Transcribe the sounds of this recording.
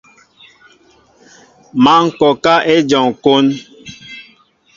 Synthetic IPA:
ma˦ŋ̩˨kɔ˨ka˦ʔe˦d͡ʒɔ˨ŋ˨ko˦n

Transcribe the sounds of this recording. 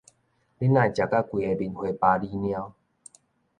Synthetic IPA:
li˦nã˧˨t͡ɕja˨˩ka˦kwi˨e˧bi˨˧˨nhwe˧pa˧li˦nj̃ã˦ʊ

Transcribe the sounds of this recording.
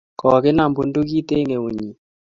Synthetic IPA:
kɔ˨kɪ˦na˨mbu˨ndu˦ki˦t̪e˦ŋe˨u˨ɲi˨

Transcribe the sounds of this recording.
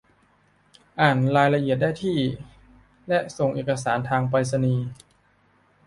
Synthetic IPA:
ʔaː˨˩nɾaː˧jla˧ʔi˨˩ət̪̚daː˥˩jt̪ʰiː˥˩ | lɛ˦˥ʔso˨˩ŋʔeː˨˩ka˧saː˩˦nt̪ʰaː˧ŋpa˧jsa˧niː˧

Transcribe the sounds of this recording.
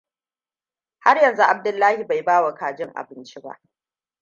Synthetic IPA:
ha˦rjɐ˨nzu˦ʔa˨b̚dʊ˨lːaː˦hi˨ba˨jbaː˦wa˨kaː˨d͡ʒɪ˦ŋʔa̰˨bɪ˦nt͡ʃi˦ba̰˦ʔ

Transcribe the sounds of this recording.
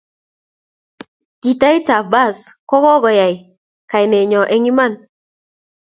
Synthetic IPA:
ki˨ta˦jta˨ba˦˨skɔ˦kɔ˦ɡɔ˨ja˨j | ka˨jnɛ˨ɲɔ˨ʔɛ˦ŋi˦ma˦˨n

